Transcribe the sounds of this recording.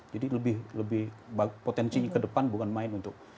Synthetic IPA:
d͡ʒadiləbɪhləbɪhbapot̪ɛnsiɲakədəpanbukanmaɪnunt̪ʊk̚

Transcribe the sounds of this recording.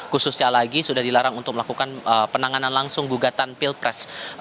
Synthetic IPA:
kusʊsɲalaɡisudahdilaɾaŋunt̪ʊk̚məlakukanəpənaŋananlaŋsʊŋɡuɡat̪anpilpɾɛs

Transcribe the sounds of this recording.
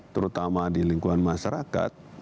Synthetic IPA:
t̪əɾut̪amadiliŋkuanmaʃaɾaka̰t̪̚

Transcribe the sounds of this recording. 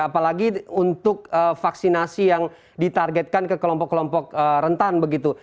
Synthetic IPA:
apalaɡiunt̪ʊk̚əfaksinasijaŋ | dit̪arɡɛt̪̚kankəkəlɔmpɔkːəlɔmpɔk̚əɾənt̪anbəɡit̪u

